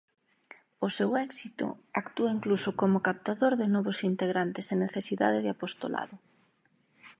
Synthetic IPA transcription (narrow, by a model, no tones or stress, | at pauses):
ʊsɛwɛksit̪ʊ̰akt̪uɐiŋklusʊkomʊkap̚t̪aðoɾðɪnɔβʊsint̪eɣɾant̪ɪseneθesiða̰ðɪðɪapost̪o̰la̰ðʊ